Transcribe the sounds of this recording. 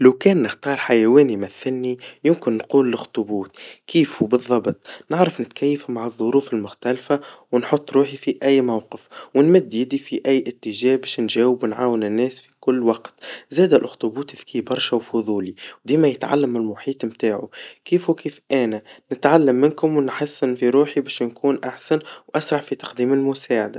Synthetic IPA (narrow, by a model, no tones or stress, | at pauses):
lawkɛːnːɪxt̪ɑːɾˤħajæwɛːnimæθːɪlːijʊmkɪnːquːlːɪxt̪ˤʊbuːt̪kʰiːfubɨðˤːɑbt̪ˤnɪʕɾˤɑfnɪt̪kʰæjːfumaʕɨðˤːʊɾuːfɪlmʊxt̪ælfawnħʊt̪ˤːɾuːħifiʔæjːmawqɪfwɪnmɪd̪ːjɪd̪ifiʔæjːʔɪt̪ːɪʒɛːhbɛːʃnʒɛːwɪbnʕaːwɪnɪnːɛːsfikʊlːwɑqt̪zæːd̪ælʔʊxt̪ˤʊbuːt̪ɪðkiːbɑɾˤʃæwfʊðˤuːliwd̪iːmæjɪt̪ʕa̰lːæmɪlmʊħiːt̪ˤmt̪aːʕukiːfwkiːfʔæːnænɪt̪ʕalːæmːɪnkʊmwɪnħɑsːɪnfiɾuːħibɛːʃnkuːnʔaħsænwʔæsɾˤɑʕfit̪ɑ̥qd̪iːmɪlmʊsaːʕad̪a